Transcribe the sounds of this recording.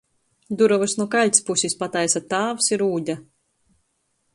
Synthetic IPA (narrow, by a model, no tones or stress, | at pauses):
d̪uɾɔvɨsnuɔkalʲtʲspusʲispat̪ajsat̪ːaːvsiɾuːd̪ʲa